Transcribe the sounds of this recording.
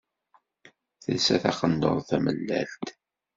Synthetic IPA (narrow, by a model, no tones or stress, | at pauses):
θə̰lsæθæχənd̪o̰ɾˤθæməlːæ̰lt̪